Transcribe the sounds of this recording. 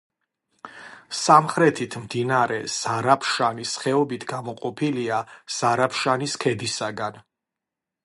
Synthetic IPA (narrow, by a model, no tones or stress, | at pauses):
samχɾɛt̪ʰit̪ʰmd̪inaɾɛz̥aɾapʰʃanisχɛɔbit̪ʰɡamɔqʼɔpʰiliaz̥aɾapʰʃaniskʰɛd̪isaɡan